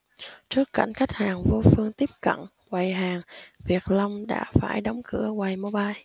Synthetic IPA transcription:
t͡ɕɨ˦˥əkːa˧˩jŋ̟xa˦˥jk̟̚haː˨˩ŋvo˧fɨ˧əŋt̪i˦˥əp̚kə̰˧˨n | wwa˨˩jɦaː˨˩ŋvi˨˩ək̚lə˧wŋ͡mɗa̰ː˧˥fa̰ː˧˩jɗə˨˦wŋ͡mkɨ˧˩əwa˨˩jmo˧ɓaː˧j

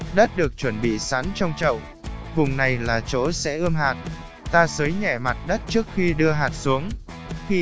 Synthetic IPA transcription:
ɗə˦˥t̚ɗɨ˨˩ək̚t͡ɕwə˧˩nɓḭ˧˨sa˨˦nt͡ɕɔ˧wŋ͡mt͡ɕə̰˧˨w | vʊ˨˩ŋ͡mna˨˩jlaː˨˩t͡ɕo˨˦sɛ̰˧˥ʔɨ˧mɦaː˨˩t̚ | t̪aː˧səː˨˦jɲɛ˧˩ma˨˩t̚ɗə˦˥t̚t͡ɕɨ˦˥ək̚xi˧ɗɨ˧əɦaː˨˩t̚su˨˦əŋxi˧

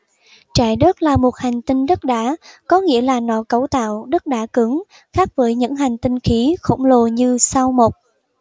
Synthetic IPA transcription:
t͡ɕaː˧˩jɗə˦˥k̚laː˨˩mo˨˩t̚ha˨˩jŋ̟t̪ï˧ŋɗə˦˥t̚ɗaː˨˦kɔ˨˦ŋḭ˧˥əlaː˨˩nɔ˧˨˦kə˨˦wt̪a̰ː˧˨wɗə˦˥t̚ɗaː˨˦˥kɨ˨˦ŋ | xaː˦˥k̚vəː˨˦jɲɨ̰˧˥ŋɦa˨˩jŋ̟t̪ï˧ŋxi˨˦xə̰˧˩wŋ͡mlo˨˩ɲɨ˧sa˧wmo˨˩t̚

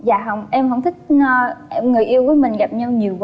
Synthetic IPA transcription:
za̰ː˧˨ɦə˧wŋ͡mʔɛ˧mɦə˧wŋ͡mt̪ʰï˦˥k̚ːʔɛ˧ŋɨ˨˩əjʔi˧əwvəː˨˦jmï˨˩ŋ̟ɣa˨˩p̚ɲa˧wɲi˨˩əwv

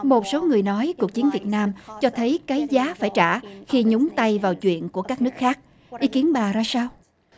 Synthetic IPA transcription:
mo˨˩t̚so˨˦ŋɨ˨˩əjnɔ˨˦jku˨˩ək̚t͡ɕi˨˦ənvi˨˩t̚naː˧mt͡ɕɔ˧t̪ʰə˨˦jkaː˨˦jzaː˨˦faː˧˩jt͡ɕa̰ː˧˩xi˧ɲʊ˨˦ŋ͡mt̪a˧jvaː˨˩wt͡ɕwḭ˧˨ənku˧˩əkaː˦˥k̚nɨ˦˥ək̚xaː˦˥k̚ | ʔi˨˦ki˨˦ənɓaː˨˩zaː˧saː˧w

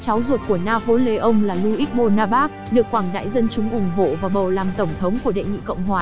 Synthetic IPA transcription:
t͡ɕa˨˦wzo˨˩t̚ku˧˩ənaː˧fo˨˦le˨˦ʔə˧wŋ͡mlaː˨˩lu˧ʔi˦˥k̚mo˧naː˧ɓaː˦˥k̚ɗɨ˨˩əkːwaː˧˩ŋɗa̰ː˧˥jzə˧nt͡ɕʊ˨˦ŋ͡mʔʊ˧˩ŋ͡mɦo̰˧˨vaː˨˩ɓə˨˩wlaː˨˩mt̪ə˧˩wŋ͡mt̪ʰə˨˦wŋ͡mku˧˩əɗḛ˧˨jŋḭ˧˨kə̰˧˨wŋ͡mɦwaː˨˩

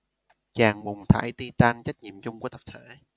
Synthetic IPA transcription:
t͡ɕaː˨˩ŋɓʊ˨˩ŋ͡mt̪ʰa̰ː˧˩˦jt̪i˧t̪aː˧nt͡ɕa˦˥k̚ɲḭ˧˨əmt͡ɕʊ˧ŋ͡mku˧˩˦t̪ə˨˩p̚t̪ʰe˧˩

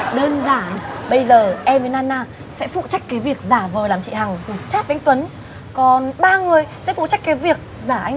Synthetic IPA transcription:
ɗəː˧nzaː˧˩nɓə˧jzəː˨˩ʔɛ˧mvə˨˦naː˧naː˧ | sɛ̰˧˥fṵ˧˨t͡ɕa˦˥k̟̚kaː˨˦jvi˨˩ək̚zaː˧˩vəː˨˩laː˨˩mt͡ɕḭ˧˨ha˨˩ŋfu˨˩t͡ɕaː˦˥p̚va˨˧˦ŋt̪wə˨˦n | kɔ˨˩nɓaː˧ŋɨ˨˩əjsɛ̰˧˥fṵ˧˨t͡ɕa˦˥k̚kːaː˨˦jvi˨˩ək̚ | zaː˧˩ʔa˧ŋ

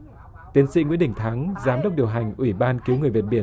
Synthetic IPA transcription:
t̪i˨˦ənsḭ˧˥ŋḭ˧˦˥ɗï˧˩ŋ̟t̪ʰa˨˦ŋzaː˨˦mɗə˦˥wk͡p̚ɗi˨˩əwɦa˨˩jŋ̟ʔwi˧˩ɓaː˧nki˨˦wŋɨ˨˩vi˨˩t̚ɓi˧˩ə

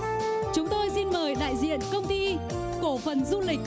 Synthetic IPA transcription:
t͡ɕʊ˨˦ŋ͡mt̪o˧jsi˧nməː˨˩jɗa̰ː˧˨jzḭ˧˨ənkə˧wŋ͡mt̪i˧ | ko˧˩fə˨˩nzu˧lï˨˩k̟̚

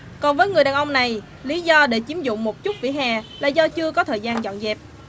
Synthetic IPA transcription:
kɔ˨˩nvəː˨˦jŋɨ˨˩jɗaː˨˩nʔə˧wŋ͡mna˨˩j | li˨˦zɔ˧ɗe˧˩t͡ɕi˨˦əmzʊ̰˧˨ŋ͡mmo˨˩t̚t͡ɕʊ˦˥t̚vḭ˧˥ɦaː˨˩la̰ː˧˨zɔ˧t͡ɕɨ˧əkɔ˨˦t̪ʰəː˨˩jzaː˧nzɔ̰˧˨nzɛ˨˩p̚

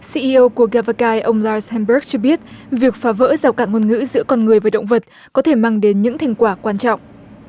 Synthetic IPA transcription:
si˧ʔi˧ʔə˧wku˧˩əɣaː˧va˧kaː˧jʔə˧wŋ͡mlaː˧shɛ˧mɓə˦˥k̚t͡ɕɔ˧ɓi˦˥ət̚vi˨˩ək̚faː˨˦və̰ː˧˥zaː˨˩wkaː˧˩nŋə˧ənŋɨ̰˧˥zɨ̰˧˥əkɔ˧nŋɨ˨˩əjva˨˩ɗə̰˧˨wŋ͡mvə˨˩t̚ | kɔ˨˦t̪ʰe˧˩maː˧ŋɗe˨˦nɲɨ̰˧˥ŋt̪ʰa˧jŋ̟kwaː˧˩kwaː˧nt͡ɕɔ̰˧˨wŋ͡mʔ

